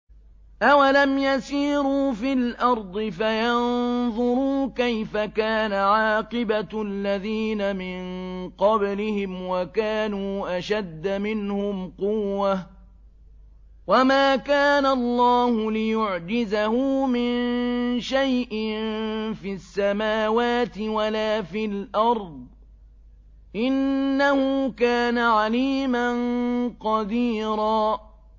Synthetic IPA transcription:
ʔawalamjasiːɾuːfilʔɑɾˤd̪ˤɨfajɑnðˤʊɾuːkajfakaːnaʕɑːqɨbaalːaðiːnamɪnqɑblɪhɪmwakaːnuːʔaʃad̪ːamɪnhʊmqʊwːa | wamaːkaːnalˤːɑːhʊlɪjʊʕd͡ʒɪzahʊmɪnʃajʔɪnfiːasːamaːwaːt̪ɪwalaːfilʔɑɾˤd̪̚ˤ | ʔɪnːahʊkaːnaʕaliːmanqɑd̪iːɾaː

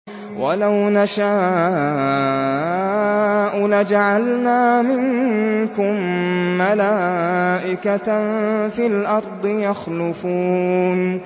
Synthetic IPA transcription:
wʔalawnaʃaː | ʔʊlad͡ʒaʕalnaːmɪŋkʊmːalaːʔɪka | filʔɑɾˤd̪ˤɨjaxlʊfuːn

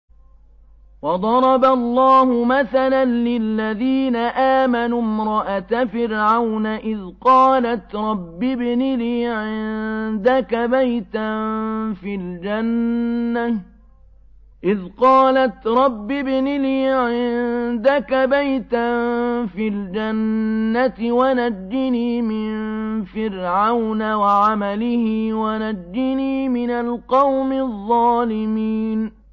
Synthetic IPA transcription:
wɑd̪ˤɑɾˤɑbalˤːɑːhʊmaθalanlɪlːaðiːnaʔaːmanumɾˤɑʔat̪afɪɾʕawnaʔɪðqɑːlat̪ɾˤɑbːɪbnɪliːʕɪnnd̪akabajt̪anfild͡ʒanːa | ʔɪðqɑːlat̪ɾˤɑbːɪbnɪliːʕɪnnd̪akabajt̪anfild͡ʒanːat̪ɪwanad͡ʒːɪniːmɪnfɪɾʕawnawaʕamalɪhɪːwanad͡ʒːɪniːmɪnalqɑwmɪðˤːɑːlɪmiːn

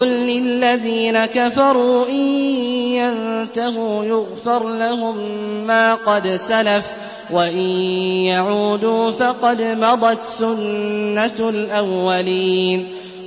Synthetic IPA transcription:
ʊlːɪlːaðiːnakafɑɾˤuːʔɪjjant̪ahuːjʊɣfɑɾˤlahʊmːaːqɑd̪salaf | waʔɪjjaʕuːd̪uːfɑqɑd̪mɑd̪ˤɑt̪sʊnːalʔawːaliːn

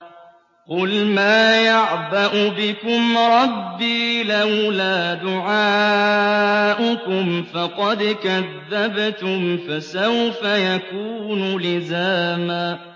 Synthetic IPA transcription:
qʊlmaːjaʕbaʔʊbɪkʊmɾˤɑbːiːlawlaːd̪ʊʕaː | ʔʊkʊmfɑqɑd̪kaðːabt̪ʊmfasawfajakuːnʊlɪzaːmaː

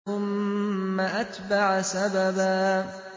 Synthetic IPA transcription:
ʊmː | aʔat̪baʕsababaː

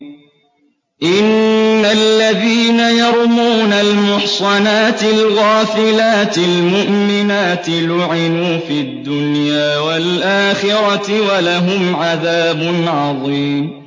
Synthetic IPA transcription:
ʔɪnːalːaðiːnajɑɾˤmuːnalmʊħsˤɑnaːt̪ɪlɣaːfɪlaːt̪ɪlmʊʔmɪnaːt̪ɪlʊʕɪnuːfiːad̪ːʊnjaːwalʔaːxɪɾat̪ɪwalaɦʊmʕaðaːbʊnʕɑðˤiːm

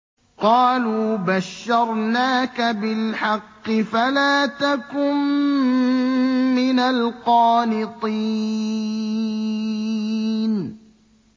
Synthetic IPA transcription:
qɑːluːbaʃːɑɾˤnaːkabɪlħɑqːɨfalaːt̪akʊm | ɪnalqɑːnɪt̪ˤi | n

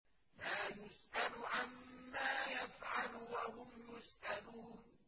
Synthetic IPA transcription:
maːjʊsʔalʊʕamːaːjafʕalwahʊmjʊsʔaluːn

